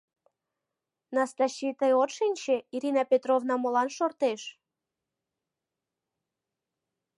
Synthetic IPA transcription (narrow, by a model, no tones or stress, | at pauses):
nɑst̪ɑɕːit̪əjot̪ʃenʲt͡ɕeiɾʲinɑpʲet̪rovnɑmolɑnʃort̪eʃ